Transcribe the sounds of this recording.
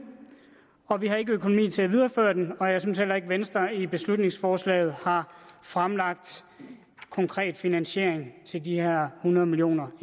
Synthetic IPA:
ɒ̽ʋiɦɑ̈e̝ɡ̥əøkʰonomḭːt͡sʰe̝æʋið̞ˠɐfø̰ːɐd̥enɒ̽jɑ̈s̬ynshel̰ɐe̝ɡ̥ʋensd̥ɐib̥e̝slud̥ne̝ŋsfɒːslɛ̰ɪð̞̩ˠhɑ̈fʁamlɑ̈ɡ̥̚d̥ | kʰɒ̽ŋkʰʁɛ̰ːd̥finænɕe̝ɐ̰eŋt͡sʰe̝ldihæɐ̰hunɐðˠmiljo̝̰ːnɐ

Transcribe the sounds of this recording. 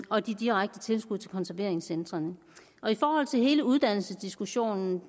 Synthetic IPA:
ɒ̽d̥id̥iʁaɡ̥̚d̥ət͡sʰe̝lsɡ̥uðˠʰelkʰɒ̽nsæɐʋe̝ɐ̰e̝ŋsend̥ʁɐn | ʔɒ̽ifɒːhɒ̽l̰t͡sʰe̝lɦe̝ːləuð̞ˠd̥æn̰l̩səsd̥isɡ̥uɕo̝̰ːnn̩

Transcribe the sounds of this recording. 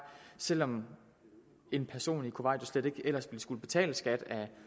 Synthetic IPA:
sel̰ɒ̽m | e̝npʰæɐso̝̰ːnikʰo̝ʋɑ̈ɪ̰d̥osled̥e̝ɡ̥el̰ɐsb̥ld̥isɡ̥uləb̥e̝t͡sʰɛ̰ːləsɡ̥æd̥æ

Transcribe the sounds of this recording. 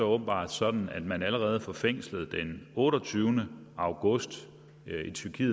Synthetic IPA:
ɒ̽ɔːb̥n̩b̥ɑ̰̈ːd̥sɒ̽d̥n̩æd̥mænæləʁɛːð̞̩ˠfɒ̽feŋ̰sləð̞̩ˠd̥enɔ̽ːɾɒt͡sʰyːʊnə | ɑ̈ʊɡ̥ɔ̽sd̥ | it͡sʰyɐkʰiː

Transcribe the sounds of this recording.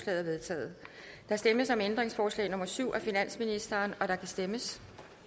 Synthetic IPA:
slɛ̰ːðˠɐʋe̝ðˠt͡sʰɛ̰ːð̩ˠ | d̥ɑ̈sd̥eməsɒ̽mend̥ʁeŋsfɒːslɛ̰ɪnɔ̽mɐsyʊ̰ʔæfinæn̰sminisd̥ɐːnɒ̽d̥ɑ̈kʰæsd̥eməs

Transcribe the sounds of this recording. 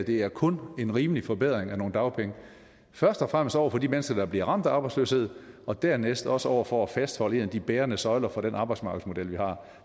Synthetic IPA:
d̥e̝æɐkʰɔ̽ne̝nʁiːməlifɒ̽beð̞̰ˠʁeŋæno̝ːn̩d̥ɑ̈ʊpʰeŋə | fɶɐsd̥ɒfʁam̰əsd̥ɒʊ̰ɐfɒ̽dimenəsɡ̥ɐd̥ɑ̈b̥liɐʁɑ̈m̰d̥æɑːb̥ɑɪsløːshe̝ð̞̰ˠ | ɒ̽d̥æɐnesd̥ɒ̽səɒʊ̰ɐfɒæfæsd̥hɒ̽ləe̝nd̥ib̥eːɐnəsɒ̽ɪlɐfɒ̽d̥enʔɑ̈ːbɑ̈ɪsmɑ̈ːɡ̥ð̩ˠsmo̝d̥el̰ʋihɑ̈ː

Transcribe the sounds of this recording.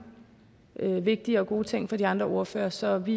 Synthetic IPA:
ʔøʋe̝ɡ̥̚d̥iəɒ̽ɡ̥o̝ːt͡sʰeŋ̰fɒ̽d̥iɑ̈nd̥ʁɐʔo̝ɐfø̰ːɐsɒ̽ʋi

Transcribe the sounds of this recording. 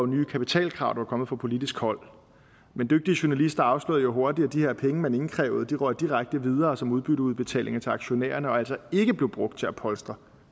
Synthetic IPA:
ʊnyːkʰæpit͡sʰɛ̰ːlkʰʁɑ̈ʊ̰d̥ʋɑ̈kʰɒ̽mð̩ˠfɑpʰo̝lid̥isɡ̥hɒ̽l̰ | mend̥øɡ̥̚d̥iəɕuɐnælisd̥ɐɑ̈ʊslo̰ð̩ˠjo̝ɦo̝ɐd̥i̥æd̥ihe̝ɐ̰pʰeŋəmene̝ŋn̩kʰʁɛ̰ːʊð̞̩ˠd̥iʁɶɐd̚d̥iʁaɡ̥̚d̥əʋið̞ˠɐːsɒ̽muð̞ˠb̥yɾəuðˠb̥e̝t͡sʰɛ̰ːlʔe̝ŋɐt͡sʰe̝lɑ̈ɡ̥ɕo̝nḛːɐnəɒ̽æl̰sɒ̽e̝ɡ̥əb̥le̝ʊb̥ʁɔ̽ɡ̥̚d̥̚t͡sʰe̝æpʰɒ̽lsd̥ʁɐ

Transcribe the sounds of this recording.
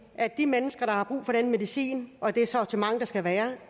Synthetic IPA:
ʔæd̥imenəsɡ̥ɐɾ̥ɑ̈hɑ̈b̥ʁṵːfɒ̽ɾ̥enəme̝ðˠisḭːnʔɒ̽d̥e̝æsɒɒt͡sʰemɑ̈ŋ̰d̥ɑ̈sɡ̥æʋæːɐ

